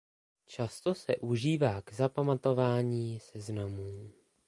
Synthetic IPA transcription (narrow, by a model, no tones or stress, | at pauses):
t͡ʃast̪o̞sɛʔuʒiːvaːɡzapamat̪o̞vaːɲiːsɛznamuː